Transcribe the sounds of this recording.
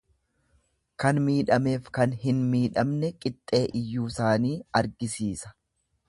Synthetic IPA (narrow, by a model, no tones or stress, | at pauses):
kɐnmiːᶑɐme̞ːfkɐnɦɪnmiːᶑɐmnɛkʼɪt̪ʼːe̞ːʔɪjːuːsaːniːɐɾɡɪsiːsɐ̥